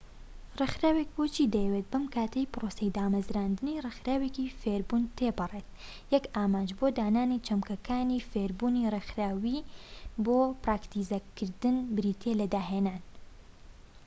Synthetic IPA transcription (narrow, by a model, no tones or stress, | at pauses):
rɨxɾaːwek̚bot͡ʃiːd̪ɛjɛwet̪̚bɐmkaːt̪ʰɐjpɾosejd̪aːmɐzɾaːnd̪ɨnirɨxɾaːwekifeɾbuːnt̪ʰebɨret̪̚ | jɛkaːmaːnd͡ʒbod̪aːnaːnit͡ʃʰɐmkɐkʰaːniːfeɾbuːnirexɾaːwiboːpraːkt̪izɐkɨɾd̪ɨnbɨɾiːt̪ʰelɐd̪aːɦeːnaːn